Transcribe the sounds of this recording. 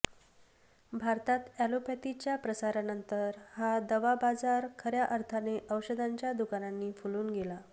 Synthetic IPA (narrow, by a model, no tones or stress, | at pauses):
bʱaɾt̪at̪ælopʰɛt̪it͡ɕjapɾəsaɾanənt̪əɾhad̪əʋabad͡zaɾkʰəɾjaʔəɾt̪ʰaneʔəʋɕəd̪ʱaɲt͡ɕjad̪ukananːiːfuluːnɡela